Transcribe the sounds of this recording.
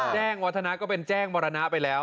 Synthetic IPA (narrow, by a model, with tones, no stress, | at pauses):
t͡ɕɛː˥˩ŋwa˦˥t̪ʰːa˧na˦˥ʔkɔː˥˩pe˧nt͡ɕɛː˥˩ŋbɔː˧ɾa˧na˦˥ʔpa˧jlɛː˦˥w